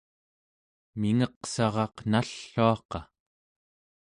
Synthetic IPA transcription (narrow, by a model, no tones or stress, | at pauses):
miŋʌqsɑʁɑqnaɬːuɑqɑ